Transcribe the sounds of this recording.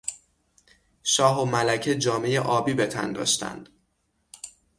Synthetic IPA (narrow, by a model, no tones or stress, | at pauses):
ʃɒːɦomælæcʰed͡ʒɒːme̞jeʔɒːbiːbe̞t̪ʰæ̰nd̪ɒ̰ːʃt̪æ̰nd̪̥